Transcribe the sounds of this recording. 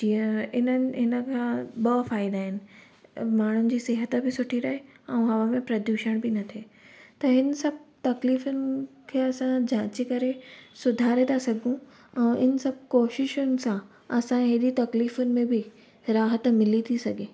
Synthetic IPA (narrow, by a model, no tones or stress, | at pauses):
d͡ʑĩːə̃ɪnənɪ̆ɦɪnə̆kʰãːɓɐfaːɪd̪aːɦɪnɪ̆ | maːɳ̤ʊnɪ̆d͡ʑiːsɪɦət̪ə̆bɪsʊʈʰiɾɐɦeɛ̃ɦɐʋamẽpɾɐd̪juːʃəɽ̃bɪnɐt̪ʰeːt̪ɐɦɪnə̆sɐb̚ʱt̪ɐkliːfʊnɪ̆kʰeːɐsãd͡ʑãːt͡ɕikɐɾesʊd̪ʱaːɾẽd̪asɐɡʱũ | ɛ̃ːɪnə̆sɐb̚ʱkoːʃɪʃʊnɪ̆sã | ɐsãɦeɗit̪ɐkliːfʊnɪ̆mẽbɪ | ɾaːɦət̪mɪlit̪ʰisɐɡʱeː